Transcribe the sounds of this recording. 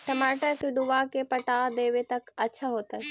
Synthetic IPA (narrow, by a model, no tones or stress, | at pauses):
ʈɐmaːʈakeɖuʋakepɐʈaːd̪eːʋet̪ɐkɐt͡ʃʰəɦoːt̪ə